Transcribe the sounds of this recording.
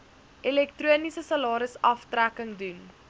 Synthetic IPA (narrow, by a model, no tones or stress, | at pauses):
ʔilɛk̚truənisəsɐlɑːɾəsɐftrækəŋdun